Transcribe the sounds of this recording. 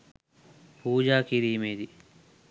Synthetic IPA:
puːd͡ʒaːkiɾiːmeːd̪i

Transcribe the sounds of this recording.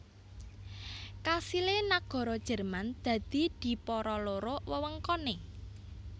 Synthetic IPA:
kasilenaɡ̥ɔ̤ɾɔd̥ʒ̥ə̤rmand̪̥ä̤d̪̥i̤d̪̥i̤pɔɾɔloɾowəwəŋkɔne

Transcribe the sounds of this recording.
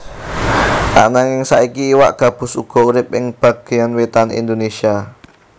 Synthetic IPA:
t̪a̰ʔnaŋɪŋsaʔikiːwa̰ʔɡ̥ä̤b̥ʊ̤suɡ̥ɔ̤uɾɪp̚ɪŋb̥ä̤ɡ̥ejanwet̪anḭnd̪onesia

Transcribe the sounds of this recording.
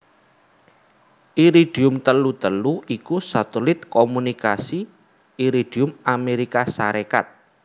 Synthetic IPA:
ʔiɾiɖ̥i̤ʊmt̪əlut̪əluikusat̪ulɪt̪̚komunikasi | iɾid̥iʊmameɾikasaɾeka̰t̪̚

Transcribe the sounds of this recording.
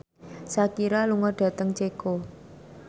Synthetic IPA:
sakiɾaluŋɔrɖ̥ä̤t̪əŋt͡ʃeko

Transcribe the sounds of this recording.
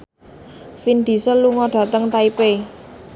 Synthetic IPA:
find̪̥i̤səluŋɔɖ̥ä̤t̪əŋt̪aipe

